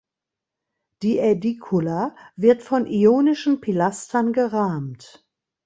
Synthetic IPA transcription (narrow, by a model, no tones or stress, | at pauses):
d̥iːʔɛdikʰʊlavɪɐtfɔnʔioːnɪʃn̩pʰilastʰɐnɡəʁaːmt